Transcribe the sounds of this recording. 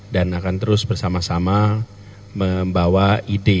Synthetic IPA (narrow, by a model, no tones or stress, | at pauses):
danakant̪əɾʊsbərsamasama | məmbawaide